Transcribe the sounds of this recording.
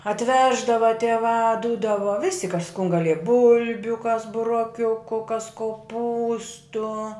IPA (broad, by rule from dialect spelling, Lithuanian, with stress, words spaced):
ɐtʲˈʋʲæːʒdɐʋɐ tʲiɛˈʋɑː ˈduːdɐʋɐ ʋʲɪsʲɪ kɐs kʊn ɡɐˈlʲiɛjɛ ˈbʊlʲbʲʊ kɐs bʊroːˈkʲʊkʊ kɐs koːˈpuːstʊ